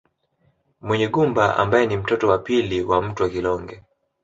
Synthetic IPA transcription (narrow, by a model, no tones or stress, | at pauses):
mwɛɲɛɠumbaʔa̰mbajɛnim̩tɔtɔwapiliwam̩tuwakilɔŋɡɛ